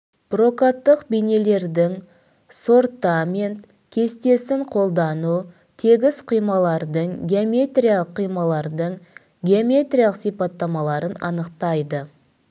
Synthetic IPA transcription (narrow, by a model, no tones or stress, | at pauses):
b̥ro̞kat̪ːəqbijne̞le̞ɾd̪ɪŋ | so̞rt̪amʲent̪ | kʲʰe̞st̪e̞sɪɴqʰo̞lˠd̪ɑnu | t̪ʰe̞ɡʲɪzqʰijmɑlˠɑɾd̪əɴɡʲeomʲe̞t̪rʲijalˠəqʰːijmɑlˠɑɾd̪əɴ | ɡʲeomʲe̞t̪rʲijalˠəqsijpɑt̪ːɑmɑlˠɑɾənɑ̰nəqt̪ɑjd̪ə